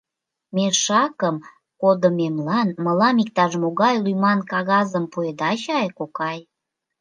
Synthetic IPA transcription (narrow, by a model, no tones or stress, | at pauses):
meʃɑkəm | kod̪omemlɑnməlɑmik̚t̪ɑʒəmoɣɑjlujmɑnkɑɣɑzəmpued̪ɑɕɑjkokɑj